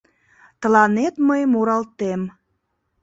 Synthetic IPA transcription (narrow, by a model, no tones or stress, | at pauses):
t̪əlɑnet̪məjmuɾɑlt̪em